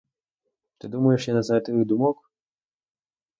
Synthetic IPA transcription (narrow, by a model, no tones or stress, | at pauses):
t̪ɨd̪umɐjɛʂjanɐzɛt̪ɨvɨd̪umɔk